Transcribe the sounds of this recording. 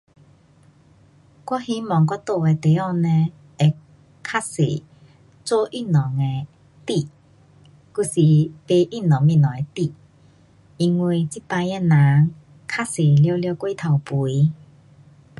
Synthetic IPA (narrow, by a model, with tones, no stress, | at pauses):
kwɔ˦˥hi˦mɔ˨ŋkwa˦t̪o˥˧e˧t̪e˨˦ɔ˥˧˨nɛ̃˧ | e˧ | kʰa˦sḛ˨˩˨ | t͡so˦ʔi˦˥˨nɔ˨ŋe˧ | t̪i˧˨ | ku˧˩si˨pe˧ʔi˦˥˨nɔ˨˩ŋmĩ˧˨nɔ̃˨˩˨ɛ˧t̪i˧˨ | i˧ŋwi˧˩t͡si˦˥pã˧jɛ˧na˨˦ŋ | kʰa˦˥se˨˩ljo˧ljo˧kwi˦t̪ʰa˨˩wpu˨˦i˦